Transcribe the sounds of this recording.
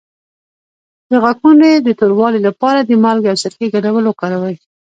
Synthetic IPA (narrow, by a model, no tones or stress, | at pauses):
d̪̥əɣakuned̪ət̪oɾwɑlilapɑɾad̪əmɑlɡawsəɾkeɡadawəlokɑɾawəj